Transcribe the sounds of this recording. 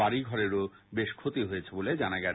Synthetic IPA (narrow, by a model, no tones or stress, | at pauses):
aɾiɡʱɔɾeɾo | beʃkʰot̪iɦojet͡ɕʰeboled͡ʑanaɡɛ